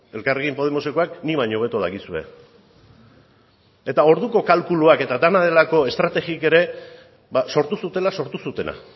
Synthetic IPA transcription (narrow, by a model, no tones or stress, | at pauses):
e̞lkareɣimpo̞ð̞emo̞se̞koakniβajɲo̞β̞e̞t̪oð̞aɣisue̞̰ | e̞t̪ao̞ɾðuko̞kalkuluake̞t̪ad̪anað̞e̞lako̞e̞st̪ɾat̪e̞ɣike̞ɾe̞ | baso̞ɾt̪usut̪e̞laso̞ɾt̪usut̪e̞na̰